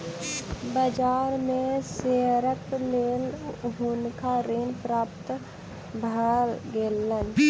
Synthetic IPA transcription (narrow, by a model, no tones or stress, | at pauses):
bəd͡ʒaːɾmẽseːɾəkleːlɦʊnkʰaɾeːnpɾaːpt̪ | bʱalɡeːlːən